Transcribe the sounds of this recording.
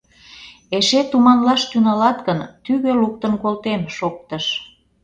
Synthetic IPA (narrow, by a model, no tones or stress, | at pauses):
eʃet̪umɑnlɑʃt̪ynəlɑt̪kənt̪yɣøluk̚t̪ənkolt̪emʃok̚t̪əʃ